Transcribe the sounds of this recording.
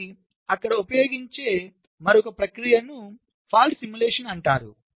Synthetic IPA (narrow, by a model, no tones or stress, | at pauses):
ɐkːɐɽɐupɐjo̞ːɡiɲt͡ʃe̞ː | mɐɾɔkɐpɾɐkɾijɐnu | pʰaːlʈsimjuleːʂɐnɐɳʈaːɾṵ